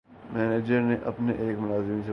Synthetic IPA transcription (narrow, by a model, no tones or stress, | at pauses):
mɛːneːd͡ʒəɾneʔɐpneʔeːkmʊnaːzɪmiːnse